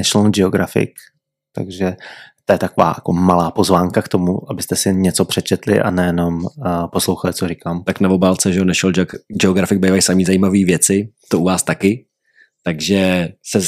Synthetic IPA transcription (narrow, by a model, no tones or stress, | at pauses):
ɛʃɛlnd͡ʒɛoɡɾa̰fɪ̰k | t̪a̰ɡʒɛt̪ojɛt̪akova̰ːjakomalaːpozvaːŋkakt̪omuʔabɪst̪ɛsɪɲɛt͡sopr̝̥ɛt͡ʃɛt̪lɪ̰ʔa̰nɛjɛno̞mposlowxalɪt͡sorikaːmt̪aknavo̞baːlt͡sɛʒɛo̞nɛʃɛld͡ʒɛd͡ʒɛoɡɾafɪɡ̚bejvajsamiːzajiːmaviːvjɛt͡sɪt̪oʔuvaːst̪akɪ | t̪aɡʒɛsɛ